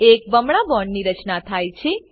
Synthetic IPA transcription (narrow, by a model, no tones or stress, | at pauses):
ek̚bəmɽabɔɳːiɾət͡ʃnat̪ʰajt͡ʃʰe